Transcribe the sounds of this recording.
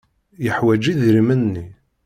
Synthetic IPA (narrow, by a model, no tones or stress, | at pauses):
jəħwæd͡ʒiðɾimənːi